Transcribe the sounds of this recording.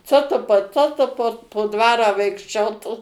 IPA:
ˈt͡soː tʊ pɐ ˈt͡soː tʊ poː poː ˈdʋɑːrɑː ʋɐɪkʃʲˈt͡ʃʲoːtuː

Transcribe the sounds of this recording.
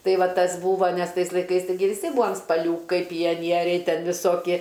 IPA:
ˈtɐɪ ˈʋɐ ˈtɐs ˈbuːʋoː nʲɛs ˈtɐɪs lˠɐɪˈkɐɪs tɐɪˈɡʲɪ ʋʲɪˈsʲɪ ˈbuːɐm spɐˈlʲuːkɐɪ pʲɪjɛˈnʲiɛrʲɛɪ ˈtʲɛn ʋʲɪˈsoːkʲiɛ

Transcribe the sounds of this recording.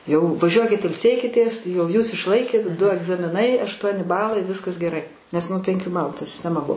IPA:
jɛʊ ʋɐˈʒʲuɔkʲɪt ɪlʲˈsʲeːkʲɪtʲeːs ˈjɛʊ ˈjuːs ɪʃˈlˠɐɪkʲeːt ˈdʊ ɐɡzɐmʲɪˈnɐɪ ɐʃˈtuɔnʲɪ ˈbɑːlˠɐɪ ˈʋʲɪskɐs ɡʲɛˈrɐɪ nʲɛs ˈnʊ pʲɛŋʲˈkʲuː ˈbɑːlˠʊ tɐ sʲɪsʲtʲɛˈmɐ ˈbʊʋoː

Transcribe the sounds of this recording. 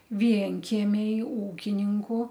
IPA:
ˈʋʲiɛŋʲkʲiɛmʲɛɪ ˈuːkʲɪnʲɪŋkʊ

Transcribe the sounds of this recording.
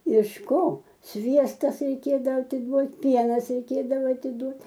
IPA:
ɪʃ ˈkoː ˈsʲʋʲiɛstɐs rʲɛɪˈkʲeːdɐʋoː ɐtʲɪˈduɔtʲ ˈpʲiɛnɐs rʲɛɪˈkʲeːdɐʋoː ɐtʲɪˈduɔt

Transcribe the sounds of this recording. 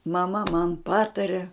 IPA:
mɐˈmɐ mɐn ˈpɑːtɐrʲɪ

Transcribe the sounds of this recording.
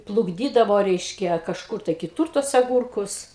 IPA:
plˠʊɡˈdʲiːdɐʋoː ˈrʲɛɪʃʲkʲɛ kɐʃˈkʊr tɐɪ kʲɪˈtʊr tuɔs ɐˈɡʊrkʊs

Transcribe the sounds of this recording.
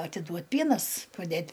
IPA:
ɐtʲɪˈduɔtʲ ˈpʲiɛnɐs pɐˈdʲeːtʲ

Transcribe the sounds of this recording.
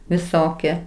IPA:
ʋʲɪˈsoːkʲiɛ

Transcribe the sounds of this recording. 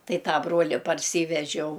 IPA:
ˈtɐɪ ˈtɑː ˈbruɔlʲɪ pɐrʲˈsʲiːʋʲɛʒʲɛʊ

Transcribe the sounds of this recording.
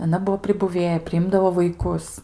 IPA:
ɐˈnɐ ˈbʊʋoː pʲrʲɪbʊˈʋʲeːjɛ pʲrʲɪˈɪmdɐʋoː ʋɐɪˈkʊs

